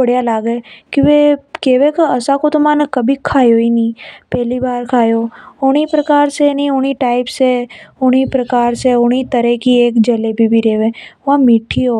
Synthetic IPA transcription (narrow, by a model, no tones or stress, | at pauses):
əɽjalaːɡekɪʋekeʋekəəsakot̪omãnəkəbʱikʰːaːjoiniːpɛːliʋaːɾkʰaːjooɽ̃ipɾəkaːɾsenioñiʈaipseoɽ̃ipɾəkaːɾseoɽ̃it̪əɾekieːkd͡ʒəlebʱibʱiɾeːʋeãmiʈʰːio